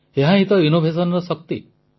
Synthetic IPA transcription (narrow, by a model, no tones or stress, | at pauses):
eɦãɦit̪ɔinobʱesɔnɔɾɔsɔk̚t̪ḭ